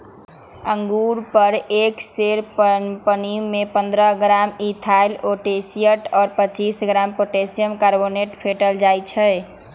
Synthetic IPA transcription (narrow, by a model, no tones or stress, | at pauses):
əŋɡuɾpəɾekseɾpənimːepə̃nd̪ɾəɦɡɾamit̪ʰajloʈesijəʈɔːɾpət͡ʃisɡɾampoʈesijəmkaɾboneʈpʰeʈəld͡ʒajt͡ʃʰɛ